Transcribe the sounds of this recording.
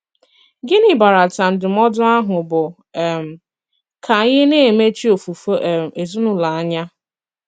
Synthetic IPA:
ɡɪ˦ni˨ba˨ɾa˨ta˨m̩˨dɪ˨m̩ɔ˦dʊ˦a˦ɦʊ˨bʊ˨ | ɛ˨m̩˨ | kʰa˨˦ɣɪ˦ne˦e˨me˦t͡ʃi˦o˨fu˨fe˨zu˦nu˦la˨a˦ɲa˦

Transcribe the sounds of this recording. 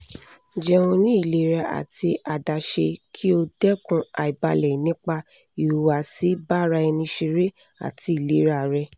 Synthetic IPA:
d͡ʒɛ˧õ˧nĩ˦i˦˨le˨˦ɾa˧ʔa̰˨ti˧a˨da˧ʃe˧kʰi˦o˧dɛ˦kũ˧a˨i˨ba˧lɛ˨nĩ˦k͡pa˧ | i˨ɾu˨wa˨si˦ba˦ɾa˧ɛ˧nĩ˧ʃi˧ɾe˦ | a̰˨tʰi˧˦i˨le˨˦ɾa˧˨ɾɛ˧

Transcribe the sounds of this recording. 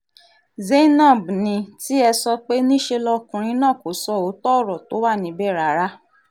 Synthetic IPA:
ze˦nã˦˨bnĩ˧ti˦ɛ˧sɔ˧k͡pe˦nĩ˦ʃe˧lɔ˧kũ˨ɾ̃ĩ˧˦nã˦˨ko˨˦sɔ˦˨o˨˦tɔ˦˨ɾɔ˨to˨˦wa˦˨nĩ˨˦bɛ˦˨ɾa˨˦ɾa˦

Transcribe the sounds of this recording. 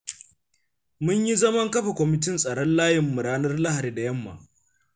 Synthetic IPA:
mʊ˦ɲji˦zɐ˦mɐ˦ŋkɐ˦ɸa˨kʷɔ˨mɪ˨t̬ɪ˦nsʼɐ˨ɽɔ˦nlaː˦jɪ˨mːʊ˨ɽaː˦nɐ˦rlɐ˦ha˨ɾiː˨da˨jɐ˦mːa̰˨

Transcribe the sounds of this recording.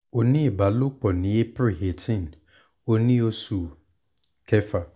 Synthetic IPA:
o˨nĩ˦˨ba˨lʊ˦k͡pɔ˨nɪ̃˨e˦pɾɪ˨he˨tʰɪ̃˦˨n˨ | o˦nĩ˦o˦su˨ | kʰɛ˦fa˨

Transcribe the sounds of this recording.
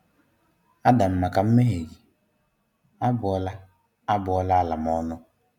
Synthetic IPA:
a˦da˨m̩˨ma˨ka˨m̩˦me˦ɦe˨ɡi˨ | a˦bʊ˨ɔ˦la˦ | a˦bʊ˨ɔ˦la˦˨la˨m˨ɔ˦nʊ˦

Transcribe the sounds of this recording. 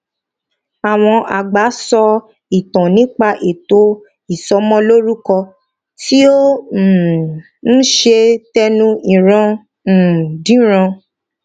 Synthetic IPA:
a˨w̃ɔ̃˧ʔa˨ɡ͡ba˨˦sɔ˧ | i˨tã˨nĩ˨˦k͡pa˧ʔe˨to˨˦ | i˨sɔ˨˦mɔ̃˦lo˦ɾu˦kɔ˧ | ti˦o˦˨ | ñ̩˦ʃe˧tɛ˦nũ˦ĩ˨ɾ̃ã˧˨ | dĩ˨˦ɾ̃ã˧

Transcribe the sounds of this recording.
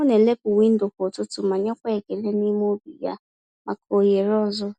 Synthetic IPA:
ʊ˦ne˨le˦pʊ˨wi˦n̩˦dʊ˨ko˨tʊ˦tʊ˦ma˨ɲɔ˦kʷe˦e˨ke˨le˦ni˦m˦o˦bḭ˨ja̰˦ | ma˨ko˨je˨ɾɔ˦zʊ˦

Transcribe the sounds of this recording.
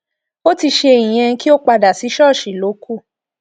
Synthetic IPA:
o˦ti˧ʃe˧˨i˨j̃ɛ̃˧˦ki˦o˦k͡pa˧da˨si˨˦ʃɔ˦˨ʃi˨lo˨˦kʰu˦˨

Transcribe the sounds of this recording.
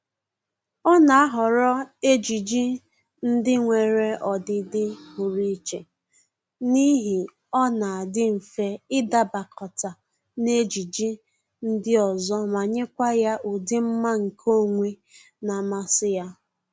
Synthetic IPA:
ɔ˦na˨a˦ɦɔ˨ɾɔ˦e˦d͡ʒi˨d͡ʒi˦ | n̩˦dɪ˦ŋʷe˨ɾe˦ʔɔ˨dɪ˨dɪ˦hu˨ɾi˦t͡ʃe˨ | ni˦ɦi˨ | ɔ˦na˨a˨dɪ˦m̩˨fe˨ɪ˦da˨ba˨kʰɔ˨ta˨ | ne˦d͡ʒi˨d͡ʒi˦ | n̩˦dɪ˦ɔ˨zɔ˦ma˨ɲe˦kʷa˦ja˦ʔu˨dɪ˦m̩˦ma˦ŋ̩˨kʰo˦˨ŋʷe˦ | na˨ma˨sɪ˦ja˦

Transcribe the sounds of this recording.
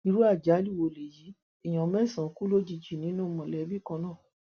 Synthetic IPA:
i˧ɾu˦a˦˨d͡ʒa˨˦lu˦˨wo˧˨le˨ji˨˦ | i˨j̃ã˨mɛ˦˨sã˨˦ku˦lo˦d͡ʒi˧d͡ʒi˨nĩ˨˦nũ˦mɔ̃˨lɛ˧˦bi˦˨kã˧nãː˦˨

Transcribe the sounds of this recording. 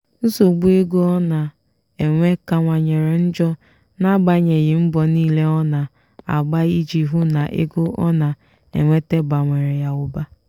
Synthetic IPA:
n̩˦so˨ɡ͡bu˦e˦ɡo˦ɔ˦na˨ | e˨ŋʷe˦ka˨ŋʷa˨ɲe˨ɾe˨n̩˦d͡ʒɔ˦ | na˦ɡ͡ba˨ɲe˨ɣɪ˨m̩˦bɔ˨niː˦le˦ɔ˦na˨ | a̰˨ɡ͡ba˦i˦d͡ʒi˨ɦu˦na˨ʔḛ˦ɡo˦ʔɔ̰˦na˨ | ḛ˨ŋʷe˦te˦ɡ͡ba˨ŋʷe˨ɾe˨ja˨ʊ˨ba˦

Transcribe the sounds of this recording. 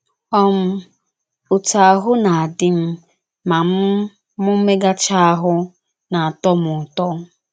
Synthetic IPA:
ɔ˦m̩˦ | ʊ˨ta˨a˨ɦʊ˦na˨a˨dɪ˦m̩˦ | ma˨m̩˦ | mʊ˦me˦ɡa˦t͡ʃa˦a˦ɦʊ˦ | na˨a˨tɔ˦mʊ˨tɔ˦

